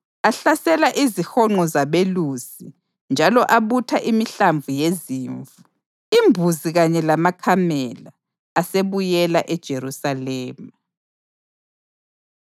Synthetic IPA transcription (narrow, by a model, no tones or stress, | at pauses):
aɬasɛlaʔizixɔŋ͡ǃɔzaβeluːz̥i | nd͡ʒʱalɔʔaβutʰaʔimiɬaɱvujeziːɱvu | imbʱuziɣaɲɛlamakʰamɛlaː | seβujɛlaʔɛd̥ʒ̥ʱeɾusalɛːma